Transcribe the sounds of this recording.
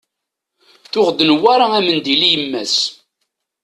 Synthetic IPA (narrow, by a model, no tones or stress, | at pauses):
θʊʁd̪ənwaɾaæmənd̪ilijəmːæs